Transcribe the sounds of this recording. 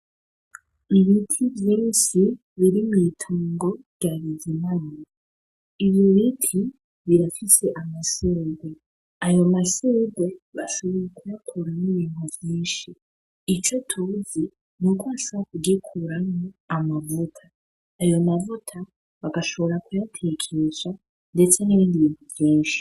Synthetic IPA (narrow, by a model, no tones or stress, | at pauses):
iβitʰivjeβisi | βiɾimitʰuːŋɡo̞ɾɟaβizimani | iβjoβitʰi | βiɾafise̞ʔamaseːɡwe | ajomaseːɡweβaʃo̞βo̞jekujakʰuɾaniβiːn̥huvjiːnʃiː | t͡ʃo̞tʰuːzi | nukwasβakuɡekʰuɾamoamavutʰaː | jomavutʰa | βaɡaʃo̞βo̞ɾakujatʰekʰeʃa | nde̞t͡se̞niβiːndiβiːn̥huvjiːnʃi̥